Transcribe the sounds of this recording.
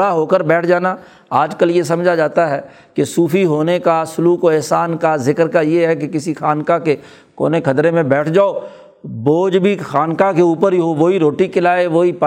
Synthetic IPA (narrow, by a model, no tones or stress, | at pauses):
aɦoːkəɾbɛːʈʰd͡ʒaːna | aːd͡ʒkəljes̬ɐmd͡ʒʱad͡ʒaːt̪aɦɛ | kesuːfʰiɦoːnekasʊluːkoɛːsaːnkazɪkəɾkajeɦɛk̬ekɪsixaːnkake | ko̰ːnekʰɐt̪ɾemẽbɛːʈʰd͡ʒaːo | boːd͡ʒbʱixaːnkakeuːpəɾɦiɦoʋoɦiɾoːʈikɪlaːeʋoːip